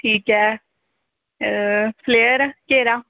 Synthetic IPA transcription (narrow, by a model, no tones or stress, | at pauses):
ʈʰiːkɛː | pʰleːəɾkeːɾaː